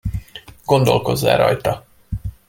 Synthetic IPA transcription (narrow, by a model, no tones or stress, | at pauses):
ɡ̥o̞nd̪o̞lko̞zːa̰ːɾɒ̰jt̪ɒ